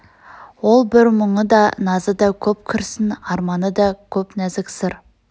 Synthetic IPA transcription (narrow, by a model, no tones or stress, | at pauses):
wo̞lˠbɪɾməɴəd̪ɑnɑzəd̪ɑkʲʰɵpkʲʰɪɾsɪnɑɾmɑnəd̪ɑkʲʰɵpnæzɪksɪɾ